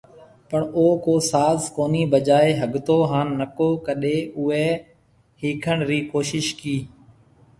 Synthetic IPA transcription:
pəɳoːkoːsaːzkoːniːbəd͡ʒaːeːɦəɠt̪oːɦaːnːəkoːkəɗeːʔʊeː | hiːkʰəɳɾiːkoːʃɪʃkiː

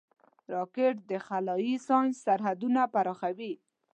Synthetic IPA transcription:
ɾɑkɪʈd̪əxalɑjisɑjnsːaɾɦad̪unapaɾɑxawi

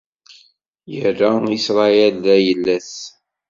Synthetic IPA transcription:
jəɾæisɾˤɑjælðæjəlːæθ

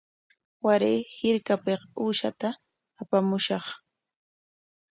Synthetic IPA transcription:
waɾeːhɪɾkapequːʃat̪aː | pamʊʃɑχ

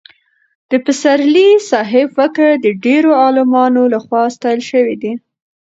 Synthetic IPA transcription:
d̪̥əpɪsaɾlisɑɦɪbfəkəɽd̪əɖeɾoɑlumɑnolaxwɑst̪ɑjəlʃəwid̪i

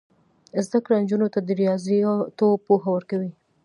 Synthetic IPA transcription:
zd̪akɽand͡ʒunot̪ad̪əɾijɑzt̪opoxawəɾkawi

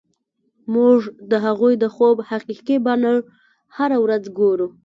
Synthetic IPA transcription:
muʐd̪əɦaɣujd̪əxobhaqiqibɑnəɭ | haɾawɾad͡zɡoɾu

